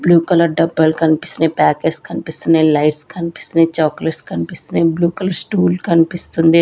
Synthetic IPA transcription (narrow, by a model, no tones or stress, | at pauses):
bluːkɐləɾɖɐbəlkɐnpɪ̥snẽpɛːkeɖskɐnpɪsnelaɪʈskʰɐnpɪ̥snẽt͡ʃɔːkleʈskɐnpɪsnebluːkɐləɾsʈuːlkɐnpɪsənd̪e